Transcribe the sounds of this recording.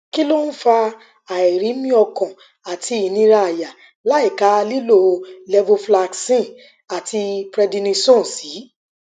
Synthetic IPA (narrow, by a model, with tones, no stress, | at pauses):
ki˦lo˦n̩˦fa˧ | a˨ɛ˨ɾi˨˦mĩ˦ɔ˧kɔ̃˨ | a˨tʰi˧i˨nĩ˧˦ɾa˧a˨ja˨ | la˨˦i˦˨ka˨˦˧li˦lo˦˨˧lɛ˧vo˧fla˧ksĩ˦˨ | a˨ti˧pɾɛ˧dĩ˧nĩ˧sõ˦˨si˨˦